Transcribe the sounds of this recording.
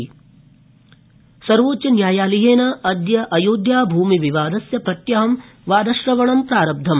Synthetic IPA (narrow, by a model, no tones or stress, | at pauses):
sɐɾʋoːtt͡ʃɐnjaːjaːliɦeːnɐɐd̪jɐʔɐjoːd̪jaːbʱuːmiʋiʋaːd̪ɐsjɐpɐt̪jɐɦɐm | ʋaːd̪ɐʃɾɐʋɐɳɐmpɾaːɾɐb̚d̪ʱɐm